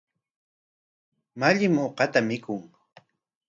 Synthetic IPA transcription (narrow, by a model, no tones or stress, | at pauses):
maʎɪmoqɑt̪amɪkʊŋ